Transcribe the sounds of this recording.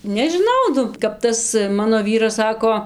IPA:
nʲɛʒʲɪˈnɐʊ ˈnʊ kɐp ˈtɐs ˈmɑːnoː ˈʋʲiːrɐs ˈsɑːkoː

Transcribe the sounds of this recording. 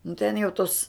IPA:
nʊ tʲɛn jɛʊ ˈtoːs

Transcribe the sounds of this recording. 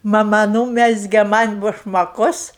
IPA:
mɐˈmɐ ˈnuːmʲɛzʲɡʲɛ ˈmɐnʲ bʊʃmɐˈkʊs

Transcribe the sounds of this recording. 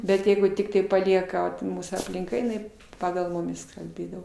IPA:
bʲɛt ˈjɛɪɡʊ ˈtʲɪktɐɪ pɐˈlʲiɛkɐ pʊ ˈmuːsuː ɐpʲlʲɪŋˈkɐ jɪˈnɐɪ ˈpɑːɡɐlˠ ˈmʊmʲɪs kɐlʲˈbʲeːdɐʋoː

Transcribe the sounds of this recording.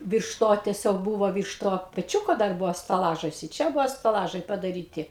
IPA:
ˈʋʲiːrʃ ˈtoː tʲɛˈsʲoːk ˈbuːʋoː ˈʋʲiːrʃ ˈtoː pʲɛˈt͡ʃʲuːkoː dɐr ˈbʊʋoː stɐˈlˠɑːʒɐs ɪ ˈt͡ʃʲɛ ˈbʊʋoː stɐˈlˠɑːʒɐɪ pɐdɐˈrʲiːtʲɪ

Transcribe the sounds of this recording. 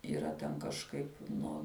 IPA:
iːˈrɐ tʲɛn kɐʃˈkɐɪp ˈnoː

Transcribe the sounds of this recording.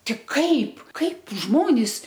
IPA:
tʲɪk ˈkɐɪp ˈkɐɪp ˈʒmoːnʲɪs

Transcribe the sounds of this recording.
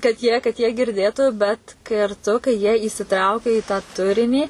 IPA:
kɐt jiɛ kɐt jiɛ ɡʲɪrʲˈdʲeːtʊ bʲɛt kɐrˈtʊ kɐɪ jiɛ iːsʲɪˈtrɐʊkʲɛ ɪ tɑː ˈtʊrʲɪnʲiː

